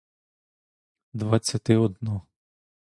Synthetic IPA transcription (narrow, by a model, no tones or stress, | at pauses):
d̪ʋat͡sʲːɐt̪ɪɔd̪nɔ